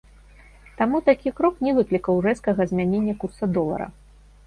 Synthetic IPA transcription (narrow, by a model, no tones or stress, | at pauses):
t̪amut̪akʲikɾɔknʲɛvɨklʲikɐwrɛskɐɣɐzʲmʲanʲenʲːɐkut̪sɐd̪ɔlˠɐ̰ɾɐ̰